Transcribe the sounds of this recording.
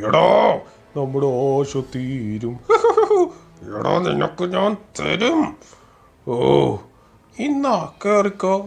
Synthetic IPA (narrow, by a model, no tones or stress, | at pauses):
iɽoː | nɐmːuɽeoːɕot̪ːiːɾum | iɽo̰ːnḭnokːɨɲaːnt̪ḛɾum | o | inːaːkːerikʲːoː